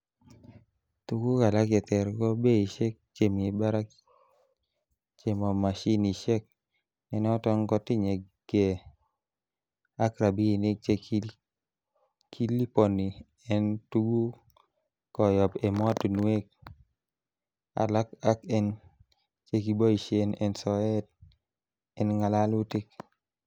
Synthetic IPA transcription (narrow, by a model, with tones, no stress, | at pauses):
tu˦ɡu˦ka˨la˦kjɛ˨t̪ɛ˨ɾkɔ˦be˦i˨ʃe˦k̚t͡ʃe˨mi˨ba˦ɾa˦k | t͡ʃe˨mɔ˨ma˨ʃi˦ni˨ʃe˦k̚ | nɛ˨n˦ɔ˦tɔ˦ŋkɔ˦tɪ˦ɲe˨ | ɡ̥e˨ | a˦kɾa˨bi˦i˨ne˦k̚t͡ʃe˦ | kʰi˦li˦pɔ˨ni˨ | ɛ˦ntu˦ɡu˦ | kɔ˨jɔ˨pɛ˨mɔ˦tu˨nwe˦k̚ | a̰˨la˦ka˦kɛ˦n | t͡ʃe˦ki˨bɔ˦i˨ʃe˦nɛ̰˨nsɔ˨ɛ˦t̚ | ɛ˦nŋa˨la˦lu˦tɪ˦k̚